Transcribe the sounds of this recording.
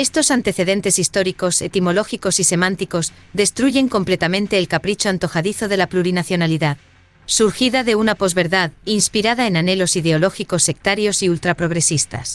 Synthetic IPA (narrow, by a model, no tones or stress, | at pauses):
e̞st̪o̞sant̪e̞θe̞ðe̞nt̪e̞sist̪oɾiko̞se̞t̪imo̞lo̞xiko̞sise̞mãnt̪iko̞z | ðe̞st̪ɾuʝe̞ŋko̞mple̞t̪amẽnt̪e̞ːlkapɾit͡ʃoant̪o̞xaðiθo̞ðe̞lapluɾinaθjo̞naliðað | suɾxiðaðe̞unapo̞zβe̞ɾðaðinspiɾaðaenane̞lo̞siðe̞o̞lo̞xiko̞se̞k̚t̪aɾjo̞siult̪ɾapɾo̞ɣɾe̞sist̪a̰s